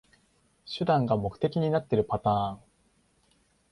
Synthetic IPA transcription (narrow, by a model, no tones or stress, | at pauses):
ɕɨd̪ãŋɡamo̞kɯ̟̥e̞kʲiɲ̟inat̪ːe̞ɾɯ̟pat̪ãːŋ